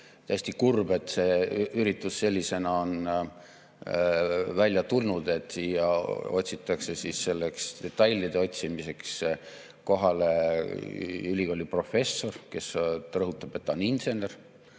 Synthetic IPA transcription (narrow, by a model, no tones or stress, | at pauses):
t̪æːsʲt̪ikurbe̞t̪ːse̞yɾit̪ːˑusse̞lʲːise̞nɑo̞n | vælʲjɑt̪ulnud̪e̞t̪ːˑsjɑo̞t̪ʲsit̪ːˑɑkse̞sisse̞lːe̞kst̪e̞t̪ːˑɑjlʲːid̪̥e̞o̞tʲsimise̞ks | ko̞ɦɑle | ylʲiko̞ːlʲipro̞fe̞sːo̞rke̞srɤɦut̪ːˑɑb̥e̞t̪ːɑoninse̞ne̞r